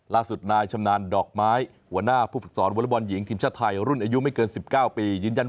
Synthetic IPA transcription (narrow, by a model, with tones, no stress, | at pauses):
laː˥˩su˨˩t̪̚naː˧jt͡ɕʰa˧mnaː˧ndɔː˨˩k̚maː˦˥j | hu˩˦ɐnaː˥˩pʰuː˥˩fɯ˨˩k̚sɔː˩˦nwlːbɔː˧nji˩˦ŋt̪ʰiː˧mt͡ɕʰaː˥˩t̪ʰa˧jɾu˥˩nʔaː˧ju˦˥ma˥˩jkɤː˧nsi˨˩p̚kaː˥˩wpiː˧jɯː˧nja˧n